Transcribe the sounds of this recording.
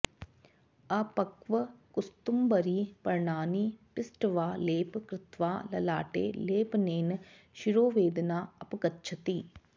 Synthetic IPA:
ɐpɐkʋɐkust̪umbɐɾiːpɐɾɳaːnipɪsʈɐʋaːleːpkɾɪt̪ʋa̰ːlɐ̰la̰ːʈḛːleːpneːn | ʃiɾoːʋeːd̪ɐnaːɐpɐɡɐtːt͡ʃʰɐt̪i

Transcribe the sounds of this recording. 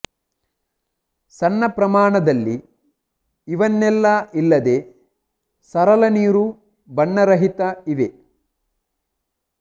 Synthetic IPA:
sɐnːɐpɾɐmaːɳɐd̪ɐlːi | iʋɐnːɛlːɐilːɐd̪e̞ː | sɐɾɐlɐniːɾu | bɐɳːɐɾɐɦit̪ɐiʋe

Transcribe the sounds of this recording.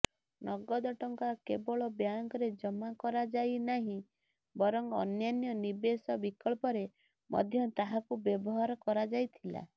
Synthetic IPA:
nʔɔɡɔd̪ɔʈɔŋkakebɔɭɔbjaŋkɔɾed͡ʒɔmakɔɾad͡ʒajnaɦĩ | bɔɾɔŋɔ̰njanjɔnibesɔbikɔɭpɔɾe | mɔ̰d̪ʱjɔt̪aɦakubjɔbɔɦaɾɔkɔɾad͡ʒajt̪ʰila̰

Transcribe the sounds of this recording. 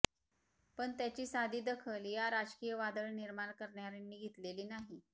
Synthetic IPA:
pəɳt̪jat͡ɕiːsad̪ʱiːd̪əkʰəljaɾad͡ʑkijəʋad̪əɭniɾmaɳkəɾɳjaɾenːiːɡʱit̪leliːnaɦi

